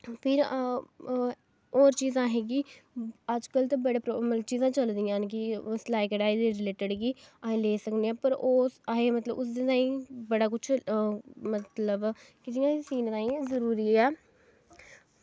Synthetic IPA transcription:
pʰɪɾ | oːɾt͡ʃiːzãːɦɛ̃ːɡiːəd͡ʒkəlt̪ãːbəɽeːpɾoːməlt͡ʃiːzãːt͡ʃəld̪ijãːnk̬ɪslaːikəɖaːeːd̪eːɾɪleːʈəɖɡiːaɦẽleːsəkd̪eːãːpəɾoːsɦẽːmət̪ləbʊs̬d̪eːt̪ãːĩːbəɽaːkʊt͡ʃʰ | mət̪ləbkɪt̪ijãːsiːnt̪ãːĩːzəɾuːɾiːɛː

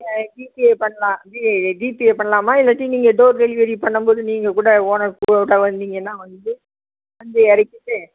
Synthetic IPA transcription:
ɖiːpiepɐɳːɐlãːiɖiːpieːpɐɳːɐlaːmaːɪlːɐʈːiniːŋɡɐɖoːɾɡɛlɪʋɐɾipɐɳːɯmboːðɯniːŋɡɐkuːɽɐoːnɐkuːɐɽaʋɐnd̪niŋɡɐnːãːʋɐnd̪ɯ | ʋɐnd̪ɯɛɾɪkːɯʈːɯ

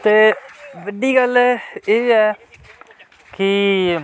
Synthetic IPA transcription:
t̪eːʋəɖiːɡəleːɛː | kɪ

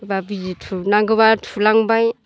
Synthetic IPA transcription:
babid͡ʒitʰunaŋɡɯβatʰulaŋbaj

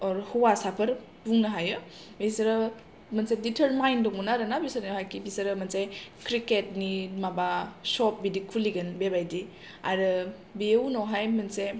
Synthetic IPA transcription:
ɾhuwasapʰɐɾ | buŋnaɦajɯ | bisɾɯ | mɐnseditʰəɾmajndɔŋmunaɾɯnabisaɾoɦajkibisɐɾɯmɐnsajkɾiket̚nimabasɔp̚bidikʰuliɡɯnbebajdi | a̰ɾɯ | biewnɔɦajmɐnse

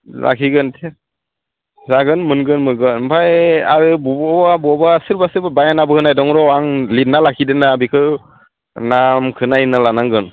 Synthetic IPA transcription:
lʔa̰kʰiɡɯntʰe | zaɡɯnmɯnɡɯnmɯɡɯnbajaɾɯbubɔbabɔbasɯɾbasɯɾbabajanabɯhɯnajdɔŋɾɔwaŋlit̚nalakʰidɯnaːbikʰɯ | namkʰɯnajnalanaŋɡɯn

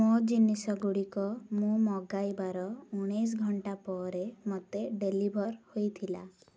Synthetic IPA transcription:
mod͡ʒinisɔɡuɽikɔmũmɔɡajbaɾɔuɽ̃ejs̬ɡʱɔɳʈapɔɾemot̪eɖelibʱɔɾhojt̪ʰila̰

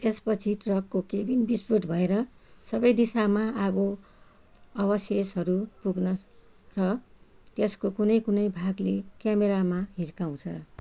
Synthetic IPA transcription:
t̪espʌt͡sʰiʈrʌkːokebinbispuʈ̪bʱʌeɾʌsʌbʌjd̪isamaaɡo | ʌβʌsjesʌɾupuɡnʌs | rʌt̪eskokunʌjkunʌjbʱaɡlekjameɾamaɦirkaw̃t͡sʰʌ̰

